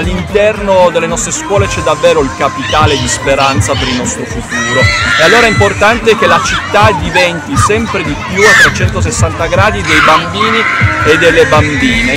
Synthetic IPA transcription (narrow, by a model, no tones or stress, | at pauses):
lːint̪ɛrnod̪elːenɔst̪ɾeskwɔːlet͡ʃɛd̪ːavːɛːɾoilkapit̪aːled̪ispeɾant̪sapeɾilnɔst̪ɾofut̪uːɾoealːoːɾaimport̪ant̪ek̟elat͡ʃit̪ːad̪ivɛnt̪isɛmpɾed̪ipjuat̪ːɾet͡ʃɛnt̪os̬esːant̪aɡɾaːd̪id̪ejbambiːnied̪ːelːebambiːne